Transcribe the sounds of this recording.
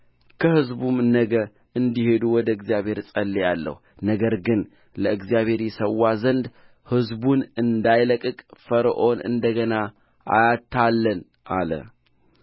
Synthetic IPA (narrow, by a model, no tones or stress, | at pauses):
kʰəhɨzbumnəɡə | ɨnd̪ihe̞d̪uwɔd̪əɨɡzijaβhe̞ɾsʼəlːejalːə̰h | nəɡəɾɡɨn | ləɨɡzijaβhe̞ɾjɛsəwːazənd̪ | hɨzbunɨnd̪ajləkʼɨkʼfəɾʔo̞nʔɨ̰nd̪əɡəna | ʔa̰jat̪ʰːalːən | ʔa̰lə̰